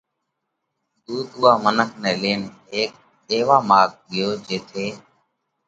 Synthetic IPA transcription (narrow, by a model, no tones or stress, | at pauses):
d̪uːd̪uːaːmənəkʰnɛːleːnɦeːk̚ | ɗ̪eːʋaːmaːk̚ɓɪjoːd͡ʒeːt̪ʰeː